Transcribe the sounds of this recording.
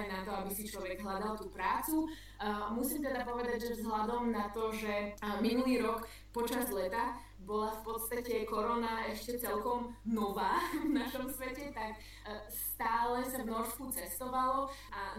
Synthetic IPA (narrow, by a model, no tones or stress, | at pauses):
nat̪ɔabisit͡ʃlɔʋɛɡɦlad̪alˠt̪uːpɾaːt͡su | musiːmt̪ɛd̪apɔʋɛd̪aɟʒɛvzɦlad̪ɔmnat̪ɔʒɛminuliːɾɔk | pɔt͡ʃazlɛt̪a | bɔlafpɔt̪st̪acɛkɔɾɔnaɛʃcɛt͡sɛlkɔmnɔʋaːvnaʃɔmsʋɛcɛt̪ak | st̪aːlɛsavnɔʃkut͡sɛst̪ɔʋalɔa